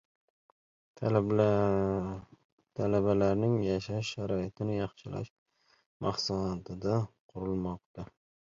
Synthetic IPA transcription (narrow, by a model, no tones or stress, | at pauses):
t̪ʰalabalaɾnɪŋjaʃaʃːaɾɒɪt̪ʰɪnɪjɑχʃɪla̰ʃ | mɑχsaat̪ʰɪd̪aqʰʊɾɪlˠmɒq̚t̪a